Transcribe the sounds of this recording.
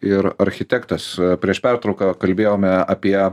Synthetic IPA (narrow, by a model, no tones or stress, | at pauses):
ɪɾɐɾʲxʲɪt̪ʲæːkt̪ɐspʲɾʲiɛʃpʲæɾt̪ɾɐʊkɑkɐlʲbʲeːjoːmʲɛɐpʲiɛ